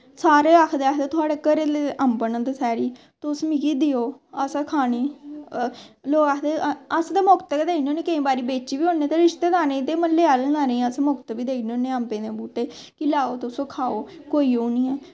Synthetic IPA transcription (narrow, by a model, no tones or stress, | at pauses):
saːɾeːakʰd̪eːaːkʰd̪eːt̪ʊaːɽeːkəɾeːt̪eʔəmpənə̃nt̪ːsɛːɾiː | t̪ʊsmikiːd̪ɪjoːəsaːkʰaːniː | loːkaːkʰd̪eːəsd̪eːmʊkt̪ːked̪eːkʰnoːnẽːkəĩːbaːɾiːbeːt͡ʃiːbiːɦõːneːt̪eɾɪʃt̪eːd̪aːnẽt̪eːməleːaːlənaːnẽːəsamʊkt̪biːd̪eːkʰnoːnẽːəmpẽːd̪ẽbuːʈeː | kɪlaːoːt̪ːsoːkʰaːoː | koːiːoːnĩːɛː